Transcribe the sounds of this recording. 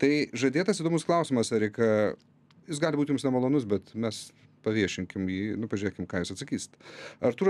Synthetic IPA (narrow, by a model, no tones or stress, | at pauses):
t̪ɐɪʒɐd̪ʲeːt̪ɐsiːd̪oːmʊsklˠɐʊsʲɪmɐsɐɾʲɛɪkɐ | jɪs̬ɡɑːlʲɪbuːt̪ʲjʊmsnʲɛmɐlˠoːnʊs̬bʲɛt̪mʲɛs | pɐʋʲiɛʃʲɪŋʲkʲɪmjiːnʊpɐʒʲʉɾʲeːkʲɪmkɑːjuːsɐt̪sɐkʲiːsʲt̪ɐɾt̪uːɾ